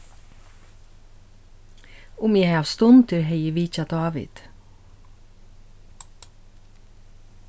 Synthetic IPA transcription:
ʊmjæɑːʋst̪ɔnt̪ʰɪɾheɪəʋiːc͡çɑd̪̥ɑːʋɪ̰d̪̥

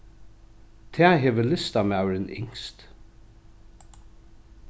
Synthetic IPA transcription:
t̪ʰɛːɦɛːʋəlɪst̪amawɾɪnʔɪ̰ŋst̪

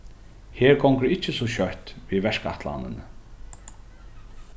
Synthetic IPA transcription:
heːɹɡɔŋkəɾɪt͡ʃːɪsɔɕœht̪viːʋɛʂka̰t̪la̰nɪ̰n

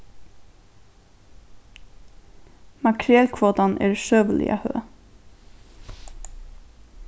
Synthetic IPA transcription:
mɑkʰɾɪɛlkʰʋoːt̪ɑnʔḛːɹʃøːʋəlɪ̰ʔɑ̰hø̰ː

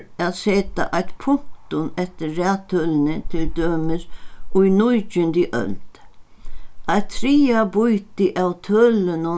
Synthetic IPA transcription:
aðseːt̪a̰ʔajt̪pʰʊŋ̥kt̪ʊnɛt̪ɪːæːt̪ʰœːlɪnɪt̪ʰɪld̪øːmɪɾʊjnʊjt͡ʃʏnd̪ɪʔœ̰lt̪ | ajt̪ʰɾiːabujt̪ɪʔawt̪ʰœlɪnʊ

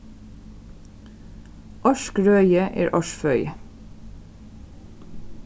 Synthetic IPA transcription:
ʔɑʃkɹœʏəʔḛːɹʔɑʃfœʏ

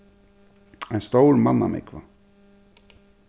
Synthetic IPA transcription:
ajnst̪oːwɾmanːa̰mḛkʰva

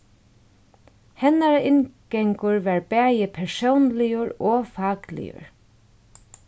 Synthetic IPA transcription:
hɛnaɾaʔɪnɡɛŋkʊɹvaɹbæːjɪpʰɛɹsownlɪʊɹɔːfɑːklɪ̰jə̰ɹ

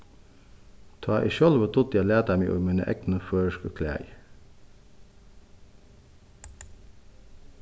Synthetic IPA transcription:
t̪ʰɑːʔḭːʃɔlʋət̪ʰʊt̪jælæːt̪æmiːʔo̰minə̰ʔɛ̰knəføːɹʃkəkʰlæ̰ːɪ

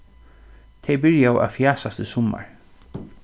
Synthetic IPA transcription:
t̪ʰejbɪɹjaʔa̰ðfjaːsast̪ɪsʊma̰ɹ

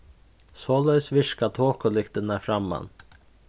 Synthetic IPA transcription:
sɔːlœɥsʋɪʂkat̪ʰoːkʊlɪkt̪ɪnafɾamːa̰n

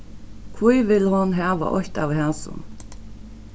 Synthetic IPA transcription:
kʰvujʋɪlhʊnɦaːʋa̰ʔɔ̰çt̪avɦaːsʊ̰n

